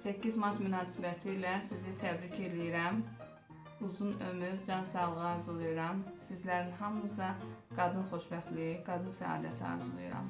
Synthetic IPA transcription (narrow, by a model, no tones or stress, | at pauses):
sæcʰːizmɑɾt̪mynɑːsibæt̪ʰilæsizit̪ʰæbɾicʰe̞lijiɾæm | uzunø̞myɾd͡ʒɑnsɑlˠʁɯɑːɾzulˠujuɾɑmsizlæɾinɦɑmːɯs̬ɑɡ̥ɑd̪ɯnχo̞ʃbæxlijiɡɑd̪ɯnsæ̰ɑ̰ːd̪æ̰t̪ʰiɑ̰ɾzulˠṵjṵɾɑ̰m